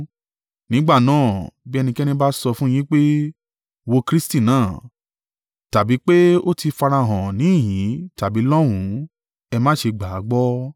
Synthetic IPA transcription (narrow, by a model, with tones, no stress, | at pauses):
nĩ˨˦ɡ͡ba˦˨nãː˦˨bi˦ɛ˧nĩ˧kɛ˦nĩ˧ba˦sɔ˧fũ˦j̃ĩ˦k͡pe˦ | wo˧kɾi˦sti˦˨nãː˦˨ | ta˨bi˨˦k͡pe˦o˦ti˧fa˧ɾa˧˨ɦã˨nĩ˨˦i˦˨jĩ˨˦ta˨bi˨˦lɔ˦w̃ũ˨˦ | ɛ˧mã˦ʃe˧ɡ͡ba˨˦ɡ͡bɔ˦